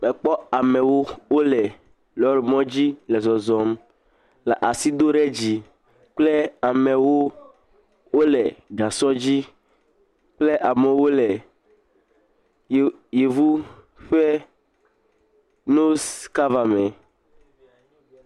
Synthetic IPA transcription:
mɛ˨k͡pɔ˦a˨mɛ̃˨wo˦wo˦lɛ˨ | lɔ˨ɾi˨mɔ̃˦d͡ʑi˦lɛ˨zɔ˨zɔ˨m | la˨ʔa˨si˦d̪o˦ɾɛ˦d͡ʑi˨ | k͡ple˦a˨mɛ̃˨wo˦ | wo˦lɛ˨ɡa˨sɔ˦d͡ʑi˦ | k͡ple˦ʔa˨mẽ˨wo˦lɛ˨ | je˨vu˦ | ɸɛ˦ | no˦ska˦va˨mɛ̃˨

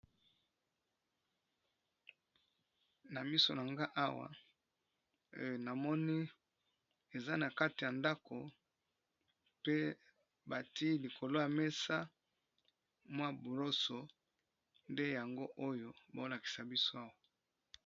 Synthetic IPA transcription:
na˨mi˦so̰˨na˨ŋɡa˦ʔa˦wa̰˨ | na˨mɔ˦ni˦ | e˨za˦na˨ka˦ti˨ja˨nda˦kʰo˨ | pe˦ | ba˨ti˦li˨ko˨lo˦ja˨me˦sa˦ | mwa˦bo˨lo˦so˨ | nde˦ja˨ŋɡo˦ʔo˦jo˦bo˨˦la˨ki̥˨sa˨bi˦so˦a˦wa˨

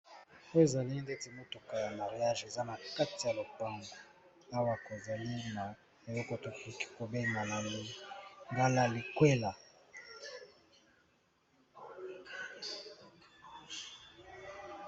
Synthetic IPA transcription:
o˦e˨za˨li˦nde˦ti˨mo˦to˨ka˨ja˨ma˨ʁi˨ja˦ʒe˨za˦na˨ka˦ti˨ja˨lo˨pa˦ŋɡo˨ | a˦wa˨ko˨za˨li˦ma˨ | e˨lɔ˦ko˨to˨ki˦ki̥˦ko˨be˦i˨ma˨la˨mi˦ŋɡa˦la˦li˨kwe˦la˨

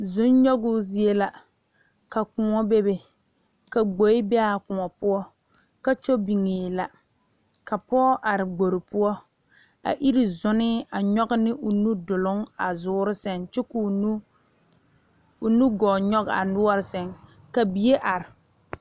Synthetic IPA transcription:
zʊ˦nɲɔ˦ɡʊ˦zi˦e˦la˨ | ka˨kʊ˨ŋɔ˦be˦be˨ | ka˨ɡ͡bo˨ɪ˦bɛ˦a˦˨kʊ˨ŋɔ˨pʊ˦ɔ˦ | ka˦t͡ʃo˦bi˨ŋeː˨la˨ | ka˨pɔː˦ʔa˨ɾɪ˨ɡ͡bo˨ɾɪ˨pʊ˦ɔ˦ | a̰˨ʔi˦ɾɪ˨zʊ˦nɪ˦a˨ɲɔ˦ɡɪ˦nɪ˦ʔʊ˨nu˦dʊ˨lʊ˦ŋa̰˨zʊː˦ɾɪ˦sɛ˨ŋt͡ʃɛ˦ku˨˦ | ʊ˨nu˦ɡɔː˨ɲɔ˦ɣa̰˨nʊ˦ɔ˦ɾɪ˦sɛ˨ŋ | ka˨bi˨je˦ʔa˨ɾɪ˨

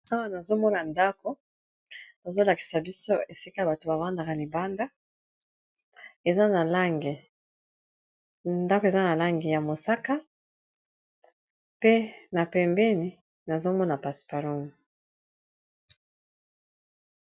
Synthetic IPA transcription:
a˦wa˦na˨zo˦mɔ˦na˨nda˦ko˦ | na˨zo˦la˨ki̥˨sa˨bi˦so˦e˨si˦ka˦a˨ba˨to˨ba˨va˦nda˨ka˨li˨ba˦nda˦ | e˨za˦na˨la˦ŋɡe˨ | nda˦ko˨e˨za˦na˨la˦ŋɡe˨ja˨mo˨sa˦ka˦ | pe˦na˨pɛ˨mbɛ˦ni˨ | na˨zo˦mɔ˦na˨pa˨spa˨lɔ˦m˨

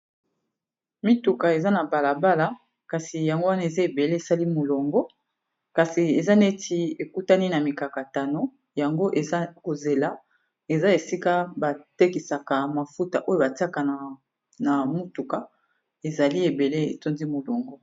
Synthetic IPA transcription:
mi˦tu˨ka˨e˨za˦na˨ba˨la˨ba˦la˨ | ka˨si˨ja˨ŋɡo˦wa˦na˦e˨za˦e˨be˨le˦e˨sa˦li˦mo˨lo˨ŋɡɔ˦ | ka˨si˨e˨za˦ne˦tʰi˦e˨ku˦ta˦ni˦na˨mi˨ka˨ka˨ta˨no˦ | ja˨ŋɡo˦ʔe˨za˦ko˨ze˨la˦ | e˨za˦e˨si˦ka˦ba˨te˦ki˨sa˨ka˨ma˨fu˦ta˨ʔo˦jo˦ba˨ti˦a˦ka˨ | na˨mu˦tu˨ka˨ | e˨za˨li˦e˨be˨le˦ḛ˨to˦nzi˦mo˨lo˨ŋɡɔ˦

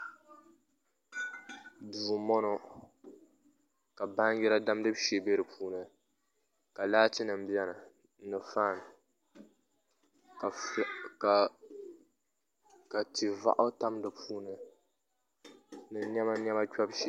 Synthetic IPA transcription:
buː˨mɔ˦nɔ˦ | ka˨ba˦ŋ˦jɛ˦ɾa˦da˦mdɨ˦bʃe˨be˦ɾɨ˨pʰuː˦nɨ˨ | ka˨laː˦ti˦nɨ˨m˨bɛ˦nɨ˨ | nɨ˨fa˦˨n˨ | ka˨ti˨va̰˦ʔʊ˦ta˦mdɨ˨pʰuː˦nɨ˨ | nɨ˨ɲɛ˦ma˦ɲɛ˦ma˦t͡ʃɔ˦bʃɛ˦

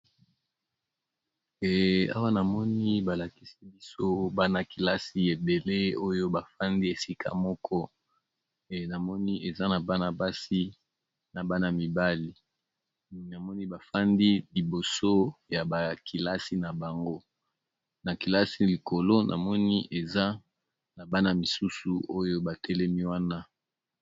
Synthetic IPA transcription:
ɛ˨a̰˦wa˦na˨mɔ˦ni˦ba˨la˨ki˨si˦bi˦so˦ba˦na˨ki˨la˦si˦e˨be˨le˦o˦jo˦ba˨fa˦ndi˦e˨si˦kʰa̰˦mɔ˦kʰɔ˦˨ | na˨mɔ˦ni˦e˨za˦na˨ba˦na˨ba˦si˦ | na˨ba˦na˨mi˨ba˦li˨ | na˨mɔ˦ni˦ba˨fa˦ndi˦li˨bo˨so˦ja˨ba˨kʰi˨la˦si˦na˨ba˨ŋɡo˦ | na˨ki˨la˦si˦li˨ko˨lo˦nʔa̰˨mɔ˦ni˦ʔe˨za˦ | na˨ba˦na˨mi˨su˦su˨o˦jo˦ba˨tɛ˦lɛ˦mi˦wa˦na˦

